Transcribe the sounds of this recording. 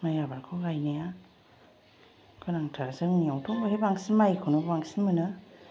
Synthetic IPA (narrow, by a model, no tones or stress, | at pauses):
majabaɾkʰɯɡajnaja | kʰɯnaŋtʰaɾsɯŋniawtʰɔŋbɔhebaŋsimajkʰɯnɯbaŋsinmɯnɯ